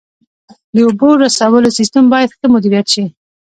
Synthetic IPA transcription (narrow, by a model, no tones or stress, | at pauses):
d̪əoboɾasawəlosist̪əmbɑjad̪xəmʊd̪iɾijat̪ʃii